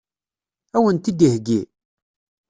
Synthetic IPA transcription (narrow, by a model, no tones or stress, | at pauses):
æwənt̪id̪ihɡi